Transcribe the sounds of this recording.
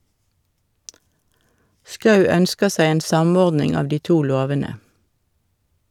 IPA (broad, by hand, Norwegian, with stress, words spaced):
ˈskɑʉ ˈœnskə ˈsæɪ ˈeːn ˈsɑˌmɔʁdnɪŋ ˈɑʋ ˈdiː ˈtuː ˈloːʋənə